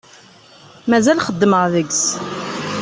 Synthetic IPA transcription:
mæzælχəd̪ːməʁðəɡs

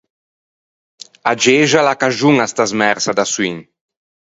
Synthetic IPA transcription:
ad͡ʒeʒalakaʒuŋast̪azmɛɾsad̪aswiŋ

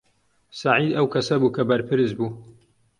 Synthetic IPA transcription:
saʕiːd̪ɐwkʰɐsɐbuːkʰɐbɐɾpʰɨɾɨzbuː

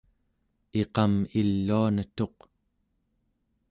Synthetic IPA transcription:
e̞qɑmilːuanət̪o̞q

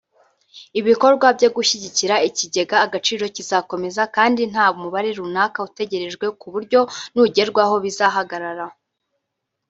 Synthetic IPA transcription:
iβiko̞ɾɡwabɟo̞ɡuʃiɟiciɾaiciɟe̞ɡaːɡat͡ʃiːɾo̞cizako̞me̞zakaːndin̥haːβumuβaɾeɾunaːkaute̞ɟe̞ɾe̞ʒɡwe̞kuβuɾɟo̞nuɟe̞ɾɡwaɦo̞βizaɦaɡaɾaɾa

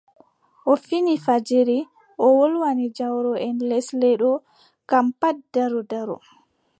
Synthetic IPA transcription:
ʔofinifad͡ʒiɾi | ʔɔwolwanid͡ʒawɾɔʔɛnlɛslɛɗɔ | kampat̚daɾɔdaɾɔ̰

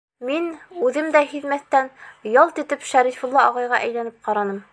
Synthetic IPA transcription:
minʉðɘmd̪æɦiðmæθt̪ænjɑlˠt̪ɘ̆t̪ɘpʃæɾifŭlˠːɑɒʁɑjʁɑʔæjlænɘp̚qɑɾɑnɤm

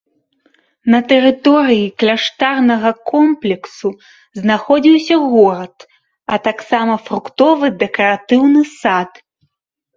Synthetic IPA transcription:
nɐt̪ɛɾɨt̪ɔɾɨjiklʲaʂt̪arnɐɣɐkʰɔmplʲɛksu | znaxɔd͡zʲiwsʲɐɣɔɾɐt̪ | ɐt̪aksamɐfɾukt̪ɔvɨd̪ɛkɐɾat̪ɨwnɨsat̪

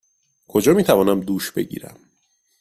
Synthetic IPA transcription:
kʰod͡ʒɒːmiːt̪ʰævɒːnæmd̪uːʃbe̞̰ɟḭːɾæ̰m

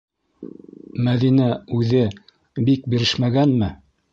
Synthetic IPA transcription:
mæðinæʉðɘ | bik̚biɾɘʃmæɡænmɘ

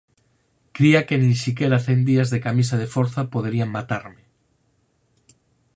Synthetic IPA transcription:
kɾiakenĩnsik̬eɾaθend̪iazðekamis̬að̞efoɾθapoðeɾiaŋmat̪aɾmɪ

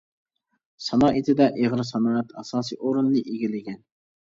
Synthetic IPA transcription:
sɑnɑːʔit̪ʰɪd̪ɛʔeʁɾɨsɑnɑːɛt̪ʰɑsɑːsḭʔoɾunːɨʔiɡʲilɪɡʲɛn

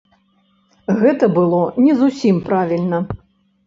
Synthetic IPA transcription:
ɣɛt̪ɐbɨlˠɔnʲɛzusʲimpɾavʲilʲnɐ

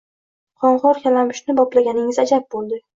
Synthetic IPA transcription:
qʰɒɴʁɒɾkʲalamɪʃnɪbɒplaɡʲanɪŋɪzad͡ʒap̚bolˠd̪ɪ

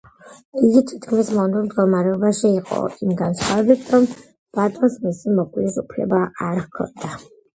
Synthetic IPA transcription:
iɡit̪ʰit̪ʰkʰmismɔnɛmd̪̚ɡɔmaɾɛɔbaʃiːqʼɔ̰imɡant̪sʰχavɛbit̪ʰɾɔm | b̥at̪ʼɔnsmisimɔkʼlisupʰlɛ̰baaɾhkʰɔ̰nd̪a

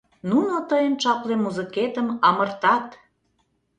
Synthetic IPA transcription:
nunot̪əjənt͡ʃɑplemuzə̆ket̪əmɑmərt̪ɑt̪

